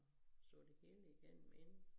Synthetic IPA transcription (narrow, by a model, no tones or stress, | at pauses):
sɔ̰̽ːd̥e̝he̝ːləiɡ̥en̰m̩e̝n